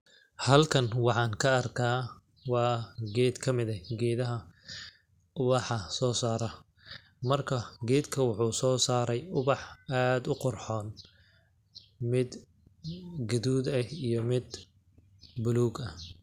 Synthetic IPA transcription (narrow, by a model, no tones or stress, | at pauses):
hɐlkʰɐnwɑħɑːŋkʰɐɐrkʰaː | wɑːɡɛːd̪kʰɐmɪðɐɡɛːðɐɦɐ | ʊβɑħɐsɔːsaːɾɐ | mɐrkʰɐɡɛːd̪kʰɐwʊħuːsɔːsaːɾɛjʊβɑħaːd̪ʊqʊrħɔːn | mɪd̪ | ɡɐðuːd̪ɐijɞmɪd̪ | bʊluːɡɐ